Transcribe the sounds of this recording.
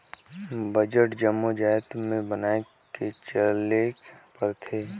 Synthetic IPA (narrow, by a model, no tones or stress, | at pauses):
bəd͡ʒəʈd͡ʒəmːod͡ʒajt̪mẽbənaːe | ket͡ʃəlekpəɾt̪ʰeː